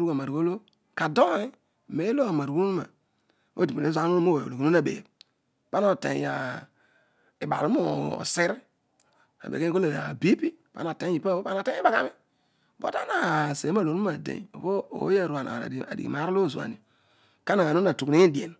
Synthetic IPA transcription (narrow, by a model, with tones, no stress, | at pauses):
ɾu˦ka˨ma˨ɾɡo˦lo˦ | ka˨do˦i˦˨ | me˨˦lo˦a˨ma˨ɾku˦u˦ma̰˨ | o˦di˨me˨e˦zʷa˦u˦mo˦˨o˨lo˨kno˦a˨bḛ˨ | pa˦na˦˨tḛ˨ja˨ | i˨ba̰˨ɾu˦mo˦˨o̰˨se˦ɾi˦ | a̰˨bḛ˨ke˦i˦o˦le˨a̰˨bi˦pi˦pa̰˦na˨te˨˦i˨pa˦o˦pa˦na˨te˦i˦ba˨ka˦mi˦ | bo̰˦ta˦na˨se˨˦ma˦˨lo˨˦u˦a˨dḛ̃˨o̰˨ko˦o̰˨˦a˦˨ɾu˨a˨na̰˨a̰˨dḭ˨ḭ˨ma˨˦ɾlo˦˨zu˨a̰˨nḭ˨ | ka˦na˨a˨no˦na˨tu˨kni˦ŋi˦di˨e˨n